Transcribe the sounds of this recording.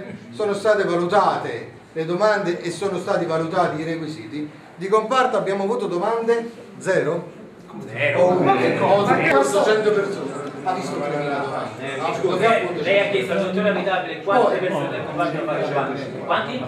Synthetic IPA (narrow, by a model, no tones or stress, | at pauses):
soːnost̪aːt̪evalut̪aːt̪e | led̪omand̪eʔesːoːnost̪aːt̪evalut̪aːt̪iːɾekwisiːt̪i | d̪ikompart̪oabːjaːmoavuːt̪od̪omand̪e | d̪zɛːɾo | ɛɾwalkekːɔːzaat̪at͡ʃɛnt̪opersoːnaavist̪omaɾanelad̪oma̰nd̪aaapːut̪olɛjakːɛst̪ut̪onamit̪aːbilekwanɔj̪epeɾsoːnakːompaɾt̪ːaa | want̪i